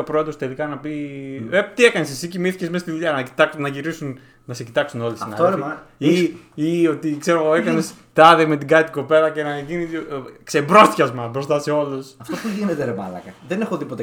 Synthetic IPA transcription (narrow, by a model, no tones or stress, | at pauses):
opɾoed̪ɾost̪e̞likɐnɐpiept̪iekɐnesesicimiθi̥cezmest̪iðuʎɐnɐit̪ɐknɐʝiɾisun | nɐse̞cit̪ɐksuno̞lisɐinɐoiio̞t̪ikse̞ɾoɣoekɐnest̪ɐðeme̞t̪iɡɐt̪i̥ko̞pelɐce̞nɐʝiniksebɾo̞st̪çɐzmɐbɾost̪ɐse̞o̞lusɐft̪opuʝinet̪eɾepɐ̰lɐ̰kɐðenexoðipo̞t̪e